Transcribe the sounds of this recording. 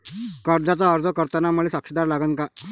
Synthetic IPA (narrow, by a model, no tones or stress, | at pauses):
kəɾd͡zat͡saəɾd͡zəkəɾt̪anamuɭesakʂəd̪aɾlaɡənka